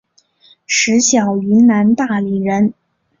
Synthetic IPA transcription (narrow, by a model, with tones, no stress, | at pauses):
ʂɻ̩˧˥ɕjɑ˨˩ʊy˧˥nna˧˥nt̪a˥˩li˨˩ɻə˧˥n